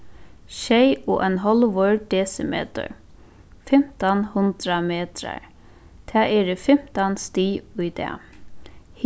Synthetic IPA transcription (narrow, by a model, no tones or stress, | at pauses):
ʃejʊʔɛnɦɔlʋɔɹɖɛːsɪmḛːt̪ə̰ɹ | fɪm̥t̪anhʊnt̪ɾameːt̪ɾa̰ɹ | t̪ʰɛːɛːɾəfɪm̥t̪anst̪iːʊjd̪ɛ̰ | h